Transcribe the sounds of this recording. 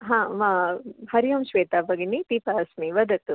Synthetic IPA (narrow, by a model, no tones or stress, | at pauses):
ɦãːmahɐɾijɐmʃʋeːt̪aːpɐɡinit̪ipaɐsmiʋɐd̪ɐt̪u